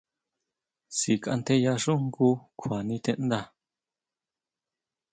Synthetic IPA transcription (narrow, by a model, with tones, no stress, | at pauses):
si˨ka˧nt̪e˧ja˧ʐu˦ŋku˧kʰa˨nĩ˧t̪e˧ʔnd̪a˧